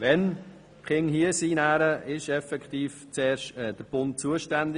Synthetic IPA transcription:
ʋɛn | χɪŋhiəsiːnæːɾəʔɪʃɛfɛkt̪iːft͡sɛːɾʃɛd̥əɾb̥ʊnt̚t͡suəʃtænd̪ɪ

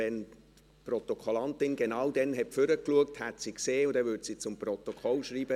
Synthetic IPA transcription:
ɛn | prɔt̪ɔkʰɔlɑnt̪ɪnɡenawdɛnɦɛtfʏɾəkluək̚thæt̪sikseːʊd̪ɛvʏdsit͡sʊmprɔt̪okʰɔlʃriːbə

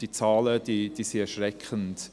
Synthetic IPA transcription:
d̥it͡sɑːləd̥iːd̥iːsiɛʃɾɛkχənt

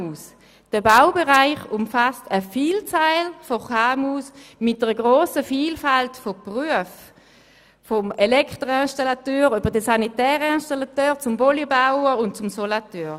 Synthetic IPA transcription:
uːs | d̥əbaʊbeʁaɪχʊmfastəfiːlt͡saɪlfɔχaːmuːsmɪt̚d̥əʁəɡʁoːsəfiːlfaltfɔpʁyəf | fɔmelɛktʁoɛnʃtalatøːʁybɐʁdəsanitɛːʁəinʃtalatøːʁt͡sʊmbɔlibaʊəʁʊnt̚t͡sʊmsɔlatøːʁ

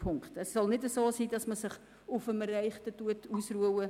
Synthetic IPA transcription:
pʰʊŋkχtɛsːɔlnɪdəsoːsiːdɑsməsɪχ | ʊfəmərɛɪχtətuətuːsruəwə

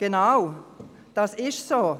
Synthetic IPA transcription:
ɡ̥enaʊ | d̥ɑsɪʃsoː

